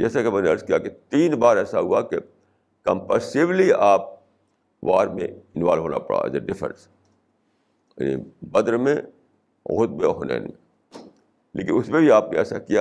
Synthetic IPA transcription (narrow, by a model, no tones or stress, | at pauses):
d͡ʒɛːsakemɛːneɐɾskijaket̪iːnbaːɾɛːsaɦuake | kə̃mpəːsɪʋliaːp̚ | ʋaːɾmḛ̃ɪnʋaːlɦoːna̰pɐɽa̰ɛ̰zeɖɪfɾə̰ns | ja̰ːnḭbɐd̪ɾmẽ | ɣʊd̪̚beɦoːnḛːnmẽ | lʔḛːkɪnʊsmẽbʱiaːpneɛːsakija